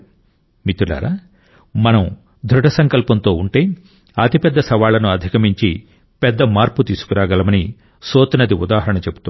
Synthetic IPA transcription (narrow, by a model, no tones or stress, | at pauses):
mit̪ula̰ːɾa̰ː | mɐnɐm | d̪ʱɾuʈɐsɐŋkɐlpɐnt̪o̞ːuɳʈeː | ɐt̪ipɛd̪ːɐsɐʋaːlɐnuɐd̪ʱikɐmiɲt͡ʃi | pɛd̪ːɐmaːɾput̪iːsu̥kuɾaːɡɐlɐmɐni | soːt̪ɐnɐd̪iud̪aːɦɐɾɐɳɐt͡ʃebu̥t̪um